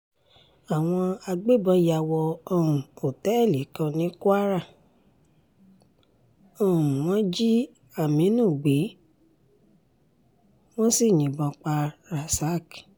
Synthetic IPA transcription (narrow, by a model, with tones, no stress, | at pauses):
a˨w̃ɔ̃˧a˧ɡ͡be˦bɔ̃˧ja˧˨wɔ˧ɔ˨ũ˨o˨tɛ˨˦˨li˨˦kã˧nĩ˨˦ku˦a˦ɾa˦˨ | ɔ˨ũ˨w̃ɔ̃˨˦d͡ʒi˦ | a˦˨mĩ˨˦nũ˦˨ɡ͡be˨˦ | w̃ɔ̃˦si˦˨nĩ˨bɔ̃˧k͡pa˧ɾa˨sa˨˦˨k